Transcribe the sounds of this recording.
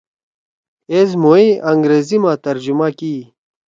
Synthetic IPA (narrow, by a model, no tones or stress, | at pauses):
eːzmoiʔɐŋɡɾeːzimaːt̪ɐɾd͡ʑumaki